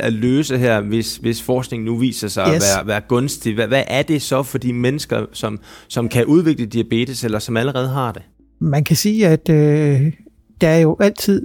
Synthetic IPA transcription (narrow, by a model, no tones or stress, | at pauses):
æløːsəɦeɐ̰ʋe̝sʋe̝sfɒːsɡ̥ne̝ŋn̩uʋḭːsɐsɑ̈ɪɒʋæːɐʋæːɐɡ̥ɔ̽nsd̥iʋæʋæʔæɐd̥e̝sɒ̽fɒ̽d̥imenəsɡ̥ɐsɒ̽msɒ̽mkʰæʔuð̞ˠʋe̝ɡ̥ləd̥iæb̥e̝̰ːd̥iselɐsɒ̽mæləʁɛːð̞̩ˠɦɑ̈d̥e̝ | mænkʰæsiːæd̥ø | d̥ɑæɐjo̝ʔæl̰t͡sʰið̰ˠ